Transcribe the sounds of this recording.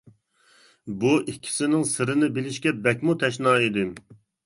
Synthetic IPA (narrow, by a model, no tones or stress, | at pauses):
buʔikʲʰːi̥sɪnɪŋsɨɾɨnɪbɪlɪʃkʲɛbɛkʲmut̪ʰɛʃ̬nɑːid̪ɪ